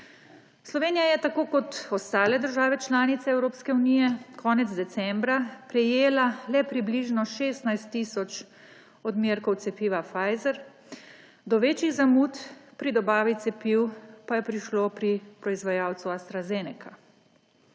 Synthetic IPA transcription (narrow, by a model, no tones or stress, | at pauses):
slɔʋeːnijajɛt̪akoːkɔt̪ɔst̪aːlɛd̪əɾʒaːʋɛt͡ʃlaːnit̪sɛːwɾoːpskɛuniːjɛkʰɔːnɛd̪zd̪ɛt̪sɛmbɾapɾɛjeːlalɛpɾibliʒnɔʃeːst̪najst̪ːiːsɔt͡ʃ | ɔd̪mʲjeɾkɔwt̪sɛpiːʋafajzɛɾ | d̪ɔʋeːt͡ʃiɣzamut̪pɾid̪ɔbaːʋit̪sɛpiwpajɛpɾiʃlopɾipɾɔizʋajaːwt̪suast̪ɾazenɛkʰa